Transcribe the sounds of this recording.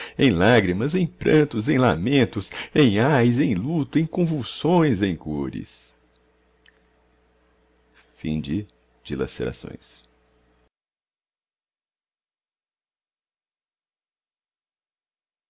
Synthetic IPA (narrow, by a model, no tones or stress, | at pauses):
ẽj̃laɡɾimɐzẽj̃pɾɐ̃nt̪ʊzẽj̃la̰mẽnt̪ʊsẽj̃ajzẽj̃lut̪ʊẽj̃kõvulsõj̃zẽj̃koɾɪ̰s | fḭ̃d͡ʒɪ | d͡ʒila̰sḛɾa̰sõ̰j̃s